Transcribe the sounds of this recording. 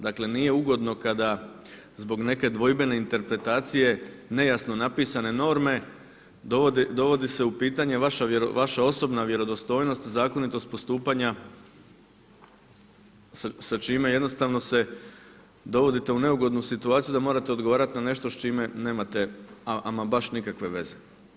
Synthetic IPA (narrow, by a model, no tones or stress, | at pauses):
d̪akle̞nije̞uɡo̞d̪no̞kad̪a | zbo̞ɡne̞ke̞d̪ʋo̞jbe̞ne̞int̪e̞ɾpɾe̞t̪aːt̪sije̞ne̞jasno̞napiːsane̞no̞ːɾme̞ | d̪ood̪d̪o̞ʋo̞d̪ise̞upiːt̪aɲe̞ʋaʃaʋaʃao̞so̞bnaʋje̞ɾo̞d̪o̞st̪o̞ːjno̞st̪zaːko̞nit̪o̞st̪̚po̞st̪uːpaɲa | sat͡ʃime̞je̞d̪no̞st̪aʋno̞se̞ | d̪o̞ʋo̞d̪it̪e̞une̞uɡo̞d̪nusit̪uaːt̪sijud̪amoɾat̪e̞o̞d̪ɡo̞ʋaːɾat̪inane̞ʃt̪ost͡ʃime̞ne̞ːmat̪e̞aʔamabaʃnikakʋe̞ʋe̞ze